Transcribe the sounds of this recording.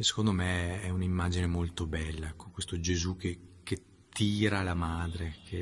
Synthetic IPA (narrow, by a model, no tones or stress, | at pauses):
esːe̥kond̪omeɛunimːaːd͡ʒinemolt̪obɛlːaɛkʰːokwest̪od͡ʒezukːeke | t̪ːiːɾalamaːd̪ɾek̟ʰe